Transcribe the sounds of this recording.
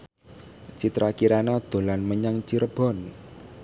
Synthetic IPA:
t͡ʃit̪ɾakiɾanad̪̥o̤lanməɲaŋt͡ʃiɾəb̥ɔ̤n

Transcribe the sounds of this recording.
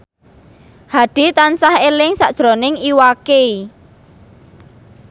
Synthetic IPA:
haɖ̥i̤t̪ansahelɪŋsaʔd̥ʒ̥ɾo̤nɪŋiwakei

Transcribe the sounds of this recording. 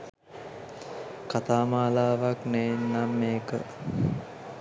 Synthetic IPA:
kat̪aːmaːlaːʋaknenːamːeːkə̰

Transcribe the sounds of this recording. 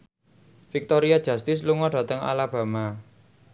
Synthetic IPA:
fik̚t̪oɾiad̥ʒ̥ä̤st̪ɪs̬luŋɔɖ̥ä̤t̪əŋa̰lab̥ä̤ma

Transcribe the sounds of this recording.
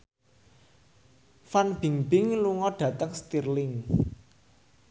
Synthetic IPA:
fanb̥i̤ŋb̥ɪŋluŋɔɖ̥ä̤t̪əŋst̪irlɪŋ

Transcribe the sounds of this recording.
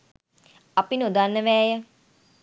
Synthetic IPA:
ɐpinod̪anːəʋɛːjə

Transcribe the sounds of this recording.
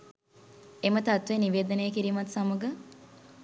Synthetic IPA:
emət̪at̪ʋeniʋeːd̪ənejəkiɾiːmɐt̪saməɡə

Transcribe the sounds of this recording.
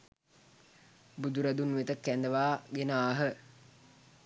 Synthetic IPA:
bud̪uɾad̪unʋet̪əkːænd̪əʋaːɡenaːɦə

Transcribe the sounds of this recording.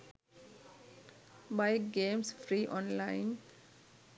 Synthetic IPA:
baɪɡẽːmsfɾiːʔɔ̃ːnlãɪn

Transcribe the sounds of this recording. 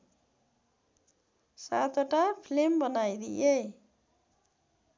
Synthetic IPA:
sat̪oʈapʰlembʌnajd̪ḭʔe

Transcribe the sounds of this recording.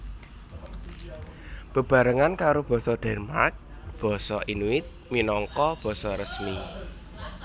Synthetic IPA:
b̥ə̤b̥ä̤ɾəŋankaɾob̥ɔ̤sɔd̪̥ɛ̤rmark̚ | b̥ɔ̤sɔʔinuɪt̪̚minɔŋkɔb̥ɔ̤sɔɾəsmi

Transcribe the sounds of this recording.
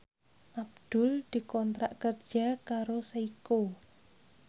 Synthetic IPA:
ʔab̚d̪̥ʊ̤ld̪̥i̤kɔnt̪ɾaʔkərd̥ʒ̥akaɾosaiko

